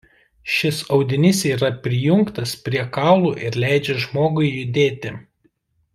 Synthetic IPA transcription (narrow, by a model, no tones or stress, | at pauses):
ʃʲɪsɒʊd̪ʲɪnʲɪsʲiːɾɐpʲɾʲɪjʊŋkt̪ɐspʲɾʲiɛkɑːˑʊlˠuːʔɪɾlʲæˑɪd͡ʒʲɛʒmoːɡʊɪjʊd̪ʲeːt̪ʲɪ